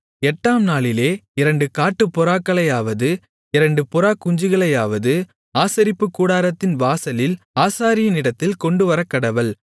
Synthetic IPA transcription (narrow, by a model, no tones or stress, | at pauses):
ɛʈːaːmnaːɭɪleːɪɾɐɳɖɯkaːʈːɯpːɔɾaːkːɐɭɐjaːʋɐðɯ | ɪɾɐɳɖɯpɔɾaːkːʊɲd͡ʒɯɣɐɭɐjaːʋɐðɯ | aːsɐɾɪpːɯkːuːɽaːɾɐt̪ːɪnʋaːsɐlɪl | aːsaːɾɪjɐnɪɽɐt̪ːɪlkɔɳɖɯʋɐɾɐkːɐɽɐʋɐl